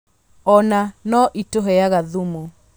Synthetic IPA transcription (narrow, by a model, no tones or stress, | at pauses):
ɔnanɔʔitoɦɛjaɣaðumo